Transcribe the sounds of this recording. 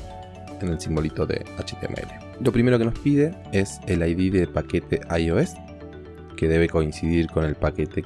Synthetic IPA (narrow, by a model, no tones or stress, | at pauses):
enelsimbo̞lit̪oðḛat͡ʃet̪eḛmḛḛle | lo̞pɾime̞ɾokeno̞spiðe̞eselajðiðepaket̪eʔajoes | keðe̞βe̞ko̞insið̞iɾko̞ne̞lpake̞t̪e